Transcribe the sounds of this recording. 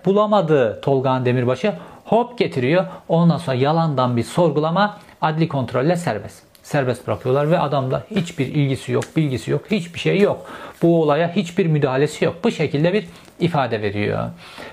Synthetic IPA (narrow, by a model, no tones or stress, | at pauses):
bulˠamad̪ɯːt̪ʰo̞lˠɡand̪e̞miɾbaʃɯhopɟe̞t̪ʰiɾijoond̪anso̞nɾajalˠand̪anbiɾso̞ɾɡulˠama | ad̪lʲikʰo̞nt̪ɾo̞lʲːɛsæɾbɛs | sːæɾbɛst̪bɾakʰɯjo̞lˠaɾvɛʔad̪amd̪ˠahit͡ʃbiɾilʲɟisijok̚bilʲɟisijokhit͡ʃbiʃejjo̞kb̥uo̞lˠajahit͡ʃbiɾmyd̪aːɦalʲe̞sijo̞k̚buʃecʰilʲd̪ɛbiɾ | ifaːd̪ɛve̞ɾḭjo̰